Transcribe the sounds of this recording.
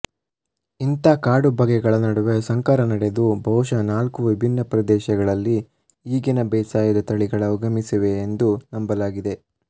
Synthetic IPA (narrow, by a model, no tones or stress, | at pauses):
int̪akaːɽubʱɐɡɛɡɐɭɐnɐɽuʋesɐŋkaːɾɐnɐɽe̞d̪ubʱɐwʃɐnaːlkuʋibʱinːɐpɾɐd̪ɛːʃɐɡɐɭɐlːi | iːɡinɐbɛːsaːjɐd̪ɐt̪ɐɭiɡɐɭɐuɡɐmisiʋe̞ːnd̪unɐmbɐlaːɡid̪e